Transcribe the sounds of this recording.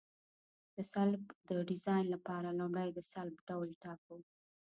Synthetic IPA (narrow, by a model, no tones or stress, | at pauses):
d̪̥əsalbd̪əɖɪzɑjnlapɑɾalʊmɽajd̪əsalbɖawlʈɑkaw